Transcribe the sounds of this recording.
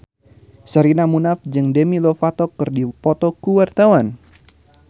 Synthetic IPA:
saɾinamunafd͡ʒɨŋdɛmilɔfat̪ɔkːɨrdipɔt̪ɔkuwart̪awan

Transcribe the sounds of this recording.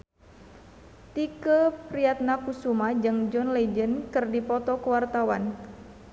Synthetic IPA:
t̪ikəpɾiat̪̚nakusumad͡ʒɨŋd͡ʒɔnlɛd͡ʒənkɨrdipɔt̪ɔkəwart̪awan

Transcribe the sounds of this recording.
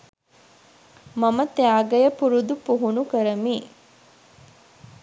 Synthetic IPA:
mɐmət̪eaːɡɐjəpuɾud̪upuɦunukəɾɐmiː

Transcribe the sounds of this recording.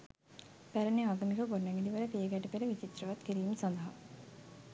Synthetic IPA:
pæɾəneaːɡəmikəɡoɾnæŋɡid̪iʋəɾət̪iəɡæʈəpeɾəʋit͡ʃit̪rəʋat̪kiɾiːməsand̪əɦa̰

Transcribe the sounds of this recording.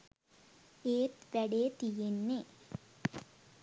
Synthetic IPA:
eːt̪ʋɛɽet̪ijenːe

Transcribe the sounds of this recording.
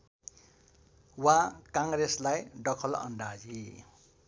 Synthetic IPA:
wakaŋɾeslajɖʌkʰʌlʌ̰nɖad͡zi

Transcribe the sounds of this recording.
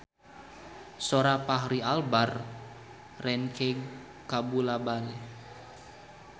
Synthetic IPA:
soɾapaɦɾialbar | rɛnkeŋ | kabulabalɛ

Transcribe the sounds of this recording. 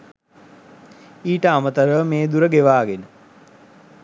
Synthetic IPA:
iːʈəamət̪əɾəmeːd̪uɾəɡeʋaːɡenə

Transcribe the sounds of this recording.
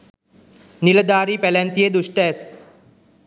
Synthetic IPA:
niləd̪aːɾiːpɛlɛnt̪ijed̪uʂʈəɛs

